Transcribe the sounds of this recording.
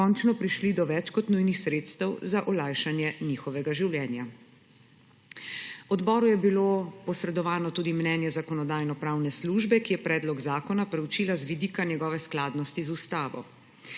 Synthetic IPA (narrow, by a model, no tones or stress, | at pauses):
ɔnt͡ʃnɔpɾiʃlid̪ɔʋɛt͡ʃkɔt̪nujnixsɾeːt̪st̪ɛwzaʔɔlajʃanjɛnixɔʋɛɡaʒiwljɛːnja | wɔd̪bɔːɾujɛbilopɔsɾɛd̪ɔʋaːnɔt̪uːd̪imnɛːnjɛzakɔnɔd̪aːjnɔpɾaːwnɛsluːʒbɛkijɛpɾɛːd̪lɔɡzaːkɔnapɾɛwt͡ʃiːlazʋid̪iːkanjɛɡɔːʋɛsklaːd̪nɔst̪izust̪aːʋɔ̰